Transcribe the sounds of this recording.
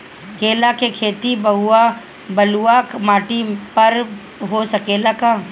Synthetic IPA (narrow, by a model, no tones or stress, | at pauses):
keːlakekʰeːt̪ibɐɦua | bɐluakmaːʈipɐɾ | ɦosɐkeːlakaː